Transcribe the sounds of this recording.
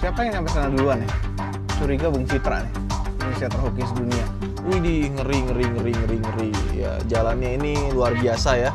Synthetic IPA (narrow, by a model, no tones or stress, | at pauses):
siapajaŋsampasanaduluanɪ | suɾiɡabuŋfipɾa̰nɪ | anesiat̪ərɦokɪsdunia | uidiŋəɾiŋəɾiŋəɾiŋəɾiŋəɾija̰d͡ʒalanɲainiluarbiasaja